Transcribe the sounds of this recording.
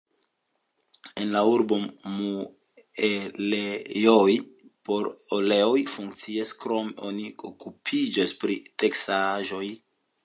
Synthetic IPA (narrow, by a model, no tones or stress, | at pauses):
enlauɾbo̞mu | elejojpo̞ɾole̞ojfuŋk̚t͡siaskɾo̞meʔo̞niokupʰid͡ʒaspɾiteksaʒo̞j